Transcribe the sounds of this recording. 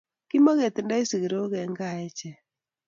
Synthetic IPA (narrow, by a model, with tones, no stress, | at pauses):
kɪ˦mo˦ɡe˨t̪nda˦i˦si˨ɡɾo˦ɡɛ˨ŋɡa˦ɛ˦t͡ʃɛ˨